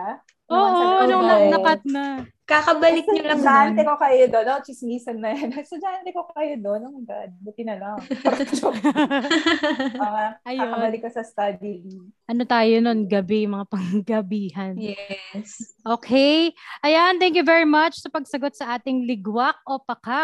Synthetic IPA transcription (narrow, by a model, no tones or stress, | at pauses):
a | ʔoːʔonoŋnɐnɐkɐt̪̚nɐ | kakɐbɐlɪk̚ɲʊɐd͡ʒaanɛkokɐjod̪onot͡ʃɪsmiːsɐnːɐjɐnsʊd͡ʒant̪ɛkokɐjod̪onɐŋɡa̰d̪bʊt̪ɪnɐnaɾɐt͡ʃo | ʔɐjaoɐbɐlɪkːɐsɐst̪ɐd̪iʔɐnot̪aːjono̞nɡɐbɛjmɐŋapɐŋɡɐbiːɦɐnjɛsʔoːkʰɛjʔɐjant̪ɛ̃ŋkjuvɛɹimɐt͡ʃsɐpɐɡ̚sɐɡot̪̚sɐʔaːt̪ɪŋlɪɡwak̚ʔo̞pɐka